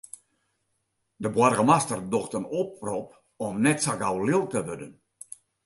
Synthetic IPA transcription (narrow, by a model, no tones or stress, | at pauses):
dəbwɔrɣəmastərdoxtənop̚rop̚ | ɔmnɛtsaɡawlɪlˠtəʋødən